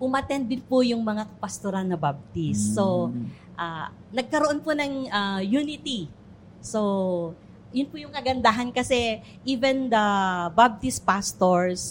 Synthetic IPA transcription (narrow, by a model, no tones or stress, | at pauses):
pʊmɐt̪ɛnd̪ɪnpʊjʊŋmɐŋaɐpɐst̪oɾanɐbab̚t̪isːo | ʔa | nɐɡ̚kɐɾoʔonponɐŋajunɪt̪i | so | jʊnpʊjʊŋkɐɡɐnd̪aɦɐnkɐsɛ | ʔivɛnd̪ɐbab̚t̪ɪspast̪oɹs